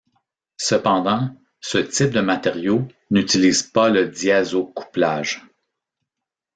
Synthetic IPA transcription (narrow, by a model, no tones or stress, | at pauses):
səpɑ̃d̪ɑ̃ | sət̪ɪp̚d̪əmat̪eʁjo | nyt̪iliːz̥paləd̪iazokʰu̥plaːʒ